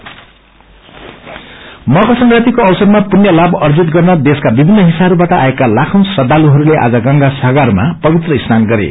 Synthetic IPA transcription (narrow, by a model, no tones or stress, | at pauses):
mʌɡʌsʌŋɡrat̪ikoʌwsʌd̪mapunjʌlabʌrd͡zit̪ɡʌrnʌd̪eskabibʱinːʌɦisaɦʌɾubaʈʌʔa̰ekalakʰʌ̃wnsʌd̪aluɦʌɾuleʔa̰d͡zʌɡʌŋɡasaɡarmapʌbit̪rʌisnanɡʌɾḛ